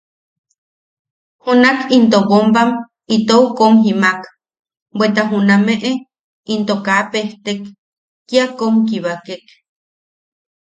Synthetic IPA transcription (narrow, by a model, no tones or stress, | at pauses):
hunakint̪obombam | it̪oukomɦimak | bʷwet̪aɦunameʔe | int̪okapeht̪ekː | jakomkiβakek